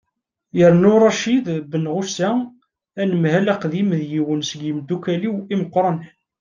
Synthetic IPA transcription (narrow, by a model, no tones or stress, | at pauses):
jəɾˤnʊɾˤɑʃiðbənʁʊsæ | ænəmhælæqðimðjiwənsəɡjimd̪ukæliwiməqːɾˤɑn